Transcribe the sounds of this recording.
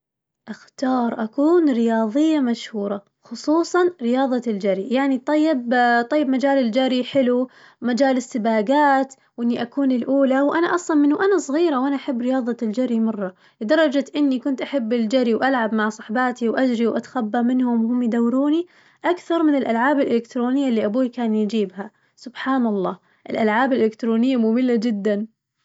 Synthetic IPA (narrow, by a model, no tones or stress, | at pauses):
ʔaxt̪ɑːɾˤʔakuːnɾɪjɑːðˤɪjːamaʃhuːɾˤɑ | xʊsˤuːsˤɑnɾɪjɑːðˤɑld͡ʒaɾijaʕnit̪ˤɑjːɪbt̪ˤɑjːɪbmad͡ʒaːlɪld͡ʒaɾiħɪlu | mad͡ʒaːlɪsːɪbaːɡaːt̪ | wʔɪnːiʔakuːnɪlʔuːlawʔanaʔɑsˤlɑnmɪnːuʔanasˤɣiːɾawʔanaʔaħabːɾɪjɑːðˤɑld͡ʒaɾimɑrˤːɑ | lɪd̪ɑrˤːɑd͡ʒat̪ʔɪnːikʊnt̪ʔaħabːɪld͡ʒaɾiwʔalʕabmaʕsˤɑ̥ħbɑːt̪iwʔad͡ʒɾiwʔa̰t̪ḁxabːamɪnhʊmwhʊmːjɪd̪awːɾuːni | ʔakθɑɾˤmɪnɪlʔalʕaːbɪlʔɪlɪkt̪ɾoːnɪjːalːiʔabuːkaːnjd͡ʒiːbha | sʊbħaːnɑlˤːɑː | ʔɪlʔalʕaːbɪlʔɪlɪkt̪ɾoːnɪjːamʊmɪlːad͡ʒɪd̪ːan